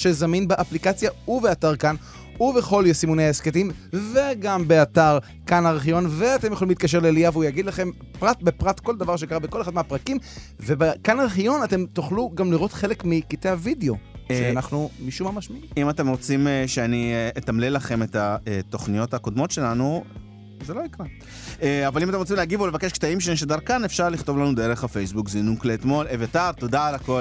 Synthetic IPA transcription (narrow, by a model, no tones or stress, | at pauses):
ʃezaminbeʔaplikat͡sjaubeataʁkan | ube̞χo̞ljosimuneaesketimve̞ɡambeataʁ | kanaʁiχijo̞nveatemjoolimlit̪kaʃ̬e̞lelijaveujaɡid̪laχe̞m | pʁat̚bepʁatko̞ld̪avaʁʃ̬ekaʁabeko̞leχad̪meapʁakimve̞bekanaʁiχijo̞nate̞mt̪oχluɡamliʁo̞tχe̞le̞kmikite̞havideo̞ʃeanaχnumiʃumamaʃmiimimat̪e̞mʁot͡simʃeanieet̪amlelaχe̞me̞t̪aet̪o̞χnijo̞thakod̪mo̞tʃe̞lanu | zeloikʁa | eavalimatemʁot͡simleaɡivolevakeʃkt̪aimʃeneʃ̬ed̪aʁkanefʃaʁliχt̪o̞vlanudeʁeχafe̞jsbukzinukleːt̪mo̞levat̪avt̪od̪alako